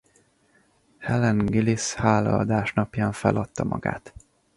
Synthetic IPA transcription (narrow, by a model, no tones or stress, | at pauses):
hɛlɛŋɡilishaːlɒɒd̪aːʃnɒpjaːɱfɛlɒt̪ːɒmɒ̰ɡa̰ːt̪